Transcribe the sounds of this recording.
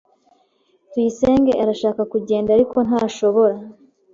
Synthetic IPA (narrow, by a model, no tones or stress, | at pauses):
twiise̞ːŋɡe̞ʔaɾaʃaːkakuɟe̞ːndaɾiko̞naːʃo̞βo̞ɾa